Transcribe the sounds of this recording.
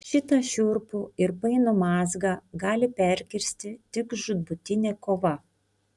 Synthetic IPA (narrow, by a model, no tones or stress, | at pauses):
ʃʲɪt̪ɐʃʲʊɾpʊɪɾpɐɪnomɑːzɡɑːɡɑːlʲɪpʲɛˑɾʲkʲɪɾʲsʲt̪ʲɪt̪ʲɪkʒʊd̪̚bʊt̪ʲɪnʲeːkoːʋɐ